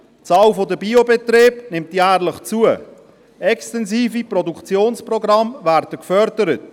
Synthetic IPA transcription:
t͡sɑːlfodəbiobetreːbnɪmtjæːrlɪχt͡suə | ʔɛkstɛnziːfiprɔdukt͡sjoːnsprɔɡɾɑmvæːɾdəkfœɾdəɾət

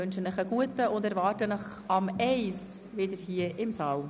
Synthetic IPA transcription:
ʉnʃənəχəɡ̥uətəʊndɛɾvɑːtənəχ | ɑmɛɪs | vɪdəɾhiəʔɪmsɑːl

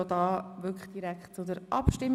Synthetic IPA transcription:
od̥̪ɑːʋʏɾkʰə̥χd̥iɾækχtt͡sʊdəɾʔɑpʃtɪm

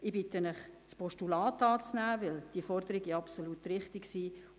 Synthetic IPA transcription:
ɪbɪtənɪχspɔʃtulɑːtɑːt͡snæːʋɪld̥iəfɔrɾd̪əɾɪɡɑpsolutɾɪχtɪɡsiː

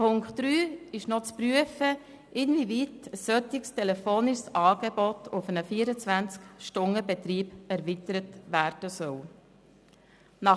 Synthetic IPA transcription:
pʰʊŋktːɾyːɪʃnɔt͡spɾyəfə | ʔɪnvivitəsœt̪ɪkstʰɛlɛfoːnɪʃsɑːɡ̥ebɔtʰʊfənəfiːəɾət͡sʋænt͡skʃtʊnəbet̪ɾiːbæɾʋitəɾətʋæːɾd̥əsœw | nɑ

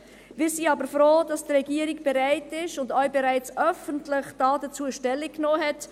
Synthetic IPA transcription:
vɪːsiːɑːbəɾfɾoːd̥ɑsdɾɛɡiəɾɪɡb̥ɛɾaɪtɪʃʊndœʏbɛɾaɪt͡sʔœfəntlɪχd̥ɑːdət͡suːəʃtɛlːɪkknoːɦɛt

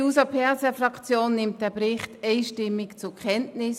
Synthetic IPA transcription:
usɐpʰɛʁsɛfʁɑkt͡sjoːnːɪmt̚d̥ɛɐbɾɪχtɛɪʃtɪmːɪkt͡sʊkʰɛntnɪs

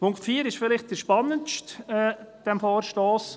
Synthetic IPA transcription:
pʰʊŋktfiːəɾɪʃfɪlɪχt̚d̥əʃpɑnːənʃtɛd̥ɛmfoːɾʃtoːs

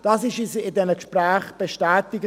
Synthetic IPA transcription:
d̥ɑsɪʃisɪdɛnəkʃprɛːχb̥eʃtɛːtɪɡ

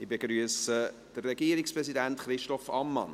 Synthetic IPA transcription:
ɪbeɡɾyəsə | d̥ərːɛɡiːəɾɪkspɾɛsidæntχɾɪʃtɔfɑ̰mːɑ̰n

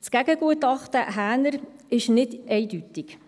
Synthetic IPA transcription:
t͡skæɡəɡ̥uətɑχt̪əʔɦæːnəɾɪʃnɪdɛɪdytɪk

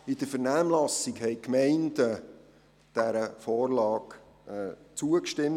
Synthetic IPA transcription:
ɪd̥əfəɾnæːmlɑsikhɛɪkmɛɪnd̥ə | d̥æɾəfɔːrlɑːk | ɛt͡suəkʃtɪm

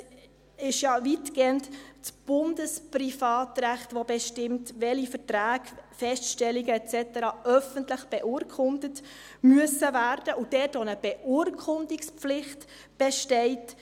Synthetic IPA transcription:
ɪʃjɑviːtɡ̥eːəntt͡sb̥ʊndəsprifɑːtræχtʋobɛʃtɪmtʋɛlifəɾtɾæːɡfɛstʃtɛliɡəɛt͡sɛtəɾɑœfəntləχb̥ɛʔʊɾkʰʊndət | myəsəvæːɾd̥əʔud̥ɛtonəb̥ɛʔʊəɾkʰʊndikspp͡flɪχt | b̥ɛʃtɛɪt

